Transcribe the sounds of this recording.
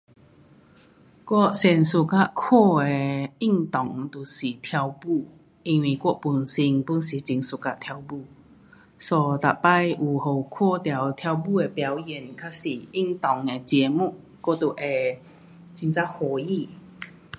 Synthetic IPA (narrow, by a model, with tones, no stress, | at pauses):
kwɔ˥˩sɛ˧˩nsu˧˩ka˦˥ʔkʰo˥˧e˧i˥˧˨ŋt̪ɔ˨˩ŋt̪u˨˩si˨˩t̪ʰja˧wbu˥˧ | i˧nwi˨˩kɔ˥˨pu˨˧nsi˧ŋpu˧˥nsi˨˩t͡ɕi˧ŋsu˨ka˦˧t̪ʰja˧wbu˥˧˨ | sɔ˨˧˩t̪a˨pa˥jʔu˨˩ho˨˩kʰɔ˥˧˨t̪ja˨˩wt̪ʰja˧wbu˥˧e˨˩pja˨˦wji˨˩nkʰa˦˥si˨˩i˥˨ŋt̪ɔ˨˩ŋe˨t͡ɕjɛ˧mu˥˨ | kɔ˥˨t̪u˨ʔe˨˩ | t͡ɕi˧nt͡sa˦˥ho˨˩ji˥˨